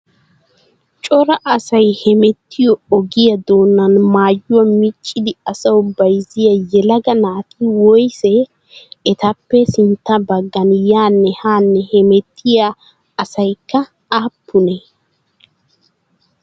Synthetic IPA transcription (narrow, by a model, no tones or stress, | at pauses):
t͡ʃʼɔɾɐʔɐsɐjhɛmɛt̪ːɪjɔɔɡɪjɐd̪o̞ːnːɐnmaːjːʊwɐmɪt͡ʃʼːɪd̪ɪɐsɐwʊbɐjzɪjɐjɛlɐɡɐnaːt̪ʰɪwɔjsɛː | t̪ɐpːɛsɪnt̪ːɐbɐɡːɐnjaːnːɛhaːnːɛhɛmɛt̪ʰːɪjaː | sɐjkːɐ | aːpːʊnɛ